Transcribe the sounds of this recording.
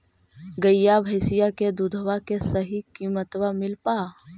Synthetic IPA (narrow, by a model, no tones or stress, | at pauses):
ɡəjjabʱəɪsɪjaked̪ud̪ʱəwakesəɦikiːmət̪wamɪlpaː